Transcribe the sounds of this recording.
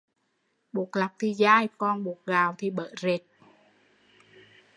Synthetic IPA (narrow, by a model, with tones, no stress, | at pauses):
ɓu˨˩ək̚la˨˩p̚t̪ʰi˨˩zaː˧jkɔ˧˩nɓu˨˩ək̚ɣaː˨˩wt̪ʰi˨˩ɓə̰ː˧˨˦ze˨˩t̚